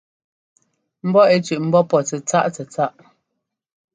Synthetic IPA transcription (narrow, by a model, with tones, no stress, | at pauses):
m̩˦bɔ˦e˦t͡ʃʉ˨ʔm̩˦bɔ˦pɔ˨t͡sɛ˨t͡sa˦ʔt͡sɛ˨t͡sa˦ʔ